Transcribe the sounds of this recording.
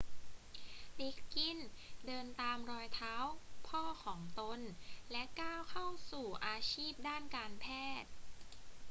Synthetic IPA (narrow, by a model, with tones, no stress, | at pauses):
de˦˥kːi˧˩ndɤː˧nt̪aː˧mɾɔː˧jt̪ʰaː˦˥wpʰɔː˥˩kʰɔː˩˦ŋt̪o˧nlɛ˦˥kaː˥˩wkʰa˥˩wsuː˨˩ʔaː˧t͡ɕʰiː˥˩p̚daː˥˩nkaː˧npʰɛː˥˩t̪̚